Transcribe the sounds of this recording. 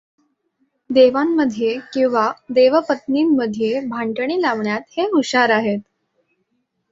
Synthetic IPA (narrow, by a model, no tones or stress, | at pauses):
d̪eʋamːəd̪ʱːjekĩw̃ʋad̪eʋəpət̪niːmːəd̪ʱjebʱaɳʈəɳiːlaʋɳjat̪heuɕaɾaɦet̪̚